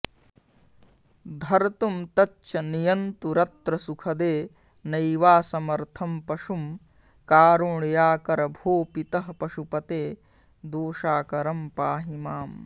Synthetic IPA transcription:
d̪ʱɐɾt̪umt̪ɐt͡ʃːt͡ʃʰɐnijɐnt̪uɾɐt̪ɾɐsukʰɐd̪eː | nɐjʋaːsɐmɐɾt̪ʰɐmpɐʂum | kaːɾuɳjaːkɐɾɐbʱoːpit̪ɐɦɐpɐʃupɐt̪eː | d̪oːʃaːkɐɾɐmpaːɦimaːm

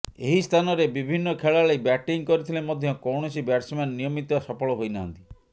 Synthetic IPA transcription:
eɦist̪ʰanɔɾebibʱinːɔkʰeɭaɭejbɛʈiŋkɔɾit̪ʰilemɔd̪ʱjɔkɔwɳ̃ɔsibɛʈsmennijɔmit̪ɔasɔpɔɭɔɦojnaɦnt̪i

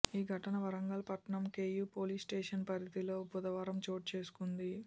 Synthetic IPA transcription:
iːɡʱɐʈɐnɐʋɐɾɐŋɡɐlpɐʈɐɳɐmke̞ːjuːpo̞ːliːsʈeːʂɐnpɐɾɐd̪ilo̞ːbud̪ɐʋaːɾɐmt͡ʃo̞ːʈ̚t͡ʃe̞ːsu̥kund̪i

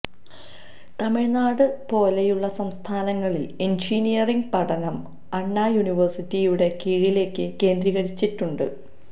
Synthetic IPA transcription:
t̪ɐmiɻnaːɽɨpo̞ːlejuɭːɐsɐmst̪ʰaːnɐŋːɐɭilend͡ʑiːnijɐriŋɡpɐʈɐnɐm | ɐɳːaːjuniʋɐrsitːijuɽe̞kiːɻile̞ːkːɨke̞ːnd̪riɣɐɽit͡ɕːitːuɳɖɨ̰

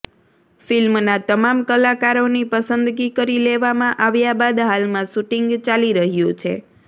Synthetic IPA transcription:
filmnat̪əmamkəlakaɾonipəsənd̪ɡikəɾileʋamãʔaʋjabad̪ɦalmãʃuʈiŋɡt͡ʃaliɾəɦjũt͡ʃʰḛ

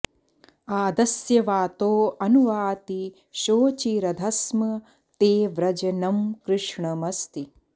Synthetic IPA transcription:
aːd̪ɐsjɐʋaːt̪oːɐnuʋaːt̪i | ʃoːt͡ʃiːɾɐd̪ʱɐsmɐ | t̪eːʋɾɐd͡ʒɐnɐmkɾɪʂɳɐmɐst̪i

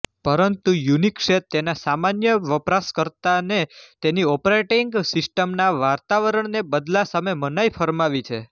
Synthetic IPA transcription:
pəɾənt̪ujunikʃet̪ːenasamanjəʋəpɾaskəɾt̪anet̪eniɔpɾeʈiŋɡsɪsʈəmnaʋaɾt̪aʋəɾəɳnebəd̪lasamemənajfʰəɾmaʋit͡ʃʰe

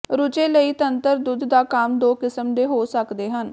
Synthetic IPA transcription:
ɾʊt͡ʃeːləiːt̪ənt̪əɾd̪ʊd̪d̪aːkaːmd̪oːkɪsəmd̪eːɦoːsəkd̪eːɦən

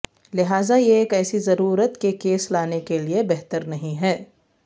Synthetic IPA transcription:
lɪɦaːzajeːkɛːsizɐɾuːɾət̪kekeːslaːnekeliebɛɦt̪əɾnɐɦĩɦɛː

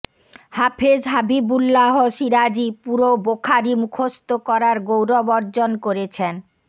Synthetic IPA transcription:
hapʰed͡ʑʱɦabibulːaɦoʃiɾad͡ʑipuɾobokʰaɾimukʰost̪okɔɾaɾɡowɾɔbɔɾd͡ʑonkoɾet͡ɕʰen

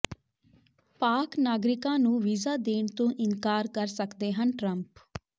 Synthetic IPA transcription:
paːknaːɡɾɪkãːnũːʋiːzaːd̪eːɳt̪õːʔɪnkaːɾkəɾsəkd̪eːɦənʈɾəmp

